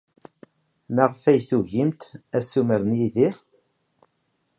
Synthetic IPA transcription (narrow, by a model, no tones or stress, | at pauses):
mæʁfæjθuʝimt̪æsuməɾənjiðiʁ